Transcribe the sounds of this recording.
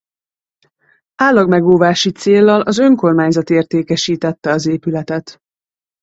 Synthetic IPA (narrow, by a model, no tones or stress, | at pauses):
aːlːɒɡmɛɡoːvaːʃit̪seːlːɒlɒzø̞ŋko̞rmaːɲzɒt̪eːrt̪eːkɛʃiːt̪ɛt̪ːɛɒzeːpylɛt̪ɛt̪